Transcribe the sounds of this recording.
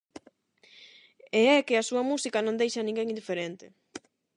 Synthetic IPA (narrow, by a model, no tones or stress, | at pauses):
eɛkɪɐsuɐmusikɐnõnd̪ejʃɐnĩŋɡeŋind̪ifeɾent̪ɪ